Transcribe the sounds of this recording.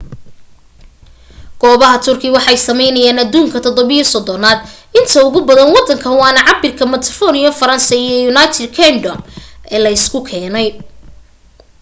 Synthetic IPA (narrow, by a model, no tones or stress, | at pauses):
ɡ̥ɔːβɐɦɐt̪ʰʊrkʰɪwɑħɑjsɐmɛjnɐjaːnɐd̪uːŋkʰɐt̪ʰɔd̪ɔβɪjɔsɔd̪ɔnaːd̪ | ɪnt̪ʰɐʊɣʊbɐðɐnwɑd̪ːɐŋkʰɐwɑːnɐʕɑbɪrkʰɐmɐt̪ʰɐfɔnɪjɐfɐɾɐnsɐijɔjunajt̪ʰɛd̪kʰɛnɖɔmʔɛːlɐɪskʰʊkʰɛːnɛj